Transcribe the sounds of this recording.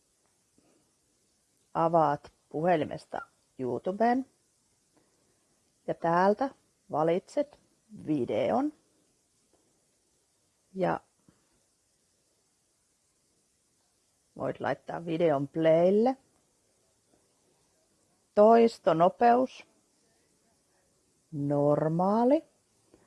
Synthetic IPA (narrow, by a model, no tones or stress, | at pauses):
ɑʋɑːt̪ | puhelimʔḛst̪ɑ̰ | juːt̪ubeːn | jɑt̪æːlt̪æ | ʋɑlit̪set̪ | ʋidḛon | jɑ̰ | ʋʔo̰it̪lɑ̰it̪ːɑ̰ːʋʋideompleilːe | t̪oist̪onopeus | normɑːli